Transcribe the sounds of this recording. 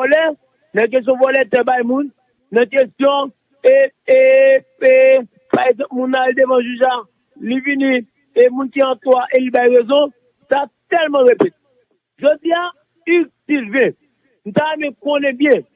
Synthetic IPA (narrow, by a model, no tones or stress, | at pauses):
ɔlɛ | nɐ̃k̬ɛst̬jɔ̃vɔlɛt̪ɛbajmũnː | ɐ̃k̬ɛst̪jɔ̃ | e | e | e | paʁeɡzãpmũnːalidevɐ̃ʒuʒa | livinĩ | emũnkiɐ̃toaʔelibajɣezɔ̃ | tat̪ɛlmãɣepɛ̃t̪ | ʒod͡zia | ytilvɛ̃ | n̩t̪aɛ̃mɛ̃konɛ̃bjɛ̃